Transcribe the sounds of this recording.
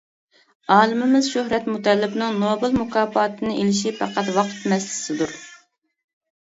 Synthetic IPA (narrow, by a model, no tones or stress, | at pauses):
ɑːlˠɨmɪmɪzʃohɾɛt̪mut̪ʰɛlːɪpnɨŋnobɨlˠmukʰɑːpɑːt̪ʰɨnɨʔelɪʃipʰɑqɑt̪wɑqʰt̪mɛslɪ̥sɪd̪uɾ